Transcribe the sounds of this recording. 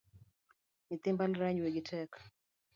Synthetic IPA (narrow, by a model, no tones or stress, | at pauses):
nit̪ɪmbalɾaɲwɛɡɪtʰɛk